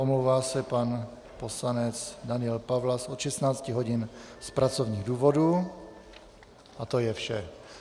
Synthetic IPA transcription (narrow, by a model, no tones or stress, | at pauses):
ʔomlowvaːsɛpan | po̞slanɛt͡sdanɪɛlpavlasʔot̪ʃɛst̪naːt͡scɪɦo̞ɟɪnspɾat͡so̞vɲiːɣduːvo̞du | ʔat̪ojɛfʃɛ